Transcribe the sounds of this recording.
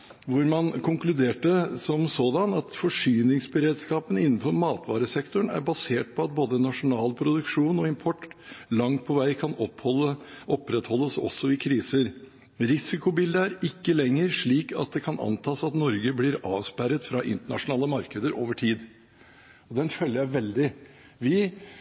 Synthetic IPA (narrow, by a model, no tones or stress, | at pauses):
ʋʊɾmɑnkʰʊŋklʉd̪eːʈəsɔmsɔːd̪ɑnɑt̪fɔʂyːnɪŋsbəɾeːd̪skɑːpənəɪnːnfɔɾmɑːt̪ʋɑːɾəsɛkt̪ʊɳæ̰ɾbɑseːʈ̚pʰɔɑt̪̚boːd̪ənɑʂʊnɑːlpʰɾʊd̪ʉkʂuːnɔɪmpʰɔʈːlɑŋt̪̚pʰɔʋæɪkʰɑnɔɔʔɔpːɾɛt̪hɔlːəsɔ̰sːɔɪkʰɾiːsəɾ | ɾɪsɪkʊbɪld̪əæɾɪkːəlɛŋːəɾʂɭiːkɑ̰t̪̚d̪ɛkʰɑnʔɑ̰nt̪ʰɑːsɑt̪nɔɾɡəblɪɾɑːʋspæɾət̪fɾɑʔɪ̰nt̪əɳɑʂʊnɑːləmɑɾkəd̪əɾo̰ːʋəʈʰiːd̪ | ɔd̪ɛnfœlːəjæɪʋɛld̪ɪ | ʋɪ